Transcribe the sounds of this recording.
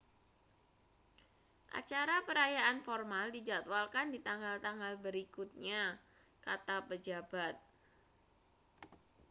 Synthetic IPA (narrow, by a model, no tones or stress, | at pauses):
ʔa̰t͡ʃaɾapəɾajaʔanfɔrmaldid͡ʒat̪walkandit̪aŋɡalt̪aŋɡalbəɾikut̪̚ɲa | kat̪apəd͡ʒabat̪̚